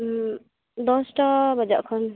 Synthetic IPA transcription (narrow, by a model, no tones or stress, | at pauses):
d̪ɔsʈabʌd͡ʒaʔkʰɔn